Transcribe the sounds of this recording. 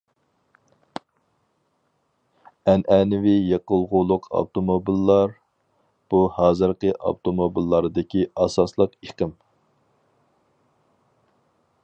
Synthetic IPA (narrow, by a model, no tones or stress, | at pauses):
ɛnɛnɪvɪjeqəlˠʁʊlˠʊqʰɑ̰bt̪omobilːɑɾ | b̥uhɑːzɨɾqəʔɑ̰bt̪ʰomobilːɑɾɨd̪ɪkʲiɑsɑslˠəqiqəm